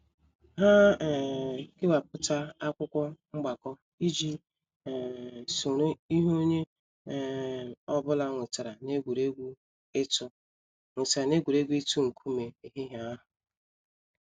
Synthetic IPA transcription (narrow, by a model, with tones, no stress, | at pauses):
ɦa˦˨ | ɡɪ˦wa˨p̚ʊ˦ta˦a˦kʷʊ˦kʷɔ˦ŋ͡m̩˦ɡ͡ba˨kɔ˦ | i˦d͡ʒi˦˨ | su˨ɾe˦i˦ɦo˦ɲe˦˨ | ɔ˦bʊ˦la˦ŋʷe˨ta˨ɾa˨ne˦ɡʷu˨ɾe˦ɡʷu˦ | e˦tʊ˦ | ŋʷe˨ta˨ɾa˨ne˦ɡʷu˨ɾe˦ɡʷu˦e˦tu˦ŋ̩˨kʰu˦me˨e˨ɦe˦ɦa˨a˦ɦʊ˨